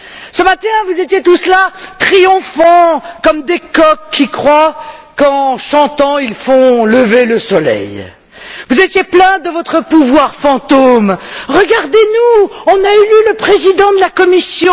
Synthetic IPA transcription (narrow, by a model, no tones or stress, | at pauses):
səmat̪ɛ̃vuzet̪jet̪uslat̪χijɔ̃fɑ̃kɔmd̪ekɔkʰːikχwakɑ̃ʃɑ̃t̪ɑ̃ilfɔ̃ləveləsɔlɛ̰j | vuzet̪jeplɛ̃d̪əvɔt̪χəpuvwaʁfɑ̃t̪omʁəɡaʁd̪enuɔ̃naelyləpχezid̪ɑ̃d̪əlakɔmisjɔ̃